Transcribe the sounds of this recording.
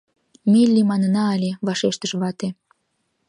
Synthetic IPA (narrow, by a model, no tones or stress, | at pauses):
milʲːimɑnənɑɑlʲeβɑʃeʃt̪əʃβɑt̪e